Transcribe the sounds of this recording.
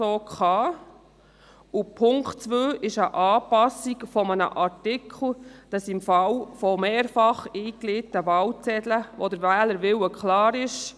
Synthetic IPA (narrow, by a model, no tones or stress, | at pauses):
oːkχɑː | upʰʊŋkt͡sʋøːʔɪʃəʔɑːpɑsːikfɔmənə̰ʔɑɾtɪkʰl̩ˠd̥ɑsɪmfɑwfɔmeːɾfɑχiːklitːəʋɑwt͡sɛd̪ləʋɔd̪əɾʋæːləɾʋɪwəkχlɑːɾɪʃ